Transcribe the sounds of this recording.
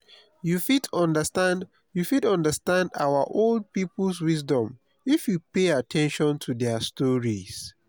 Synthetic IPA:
jufitɔ̃ndəstãnd | jufidʌ̃ndəstãnda̰wəʔolˠd̚pipl̩ˠswis̬dɔ̃m | ifjupeatʰɛ̃nʃɔ̃ntʰuðɛstɔɹis

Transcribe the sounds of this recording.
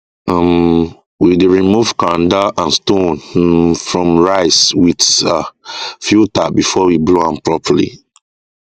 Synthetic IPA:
am | widɹimuvkãndaʔãnstõnfɹɔ̃mɹaɪswidafjutabifɔwibloãmpɹɔpʰəlḭ

